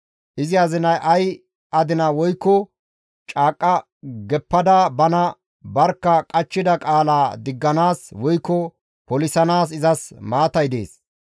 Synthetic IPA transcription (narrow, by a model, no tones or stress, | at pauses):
ʔɪzɪɐzɪnɐjʔɐj | ʔɐd̪ɪnɐwɔjkːɔ | t͡ʃʼaːkʼːɐ | ɡɛpːɐd̪abɐnɐ | bɐɾkːɐkʼɐt͡ʃːɪd̪ɐkʼaːlaːd̪ɪɡːɐnaːswɔjkːɔ | pɔlɪsɐnaːs̬ɪzɐsmaːt̪ɐjd̪e̞̰ːs